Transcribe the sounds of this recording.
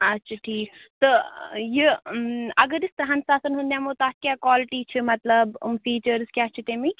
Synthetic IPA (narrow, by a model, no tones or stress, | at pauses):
ɐtːʃʰaʈʰiːkt̪ɔji | ɐɡəɾɪst̪ɾɐɦansaːsɐnɦũnd̪jãːmot̪aːkʲjaːkɔːlɪʈit͡ʃʰimɐt̪lɐb̰mfiːt͡ʃəɾzkjaːt͡ʃʰit̪emi